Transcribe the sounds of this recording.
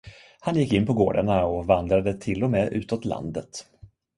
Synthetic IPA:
hanjɪkːɪnːpʰɔɡoːɖaɳaɔvand̪ɾad̪ət̪ʰɪlːɔmeːʔʉ̟̰ːt̪ɔt̪la̰nd̪ət̪

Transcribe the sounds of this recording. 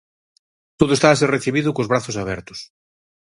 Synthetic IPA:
t̪oðʊest̪aːs̬ereθiβiðʊkozβɾaθʊsaβɛɾt̪ʊ̥s

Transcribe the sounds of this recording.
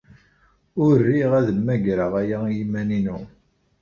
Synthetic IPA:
ʊrːiʁæðəmːæʝɾəʁæjæjimæninu

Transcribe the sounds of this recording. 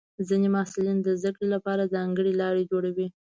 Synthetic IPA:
zinemɑsɪlind̪əzd̪akɽelapɑɾazɑŋɡəɽelɑɽed͡ʒoɽawi

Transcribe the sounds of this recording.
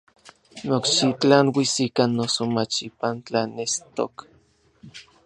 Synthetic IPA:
nokʃit͡ɬanwisikanːosomat͡ʃipant͡ɬanest̪o̰k

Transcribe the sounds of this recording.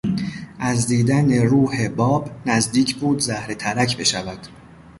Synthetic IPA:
ʔæzd̪iːd̪æne̞ɾuːhebɒːbnæzd̪iːcʰbuːd̪zæhɾe̞t̪ʰæɾæcʰbe̞ʃævæd̪̥

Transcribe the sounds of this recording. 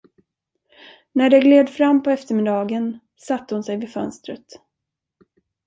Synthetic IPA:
næɖɛɡleːd̪fɾamːpʰɔɛft̪əɾmɪd̪ɑːɡən | sat̪ːəhʊnsɛjvɪfœ̰nst̪ɾət̪

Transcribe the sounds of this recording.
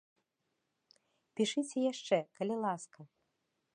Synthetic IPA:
pʲiʂɨt͡sʲɛjaʂt͡ʂɛkɐlʲilˠaskɐ

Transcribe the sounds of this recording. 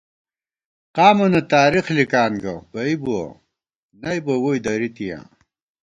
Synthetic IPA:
qaːmɐnɐt̪aːɾiχlikaːnɡɐbɐibuɐ̰ | nɐjbɐwojd̪ɐɾit̪ijã̰ː

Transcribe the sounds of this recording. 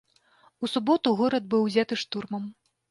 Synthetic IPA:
usubɔt̪uɣɔɾɐd̪̚bɨwzʲat̪ɨʂt̪urmɐm

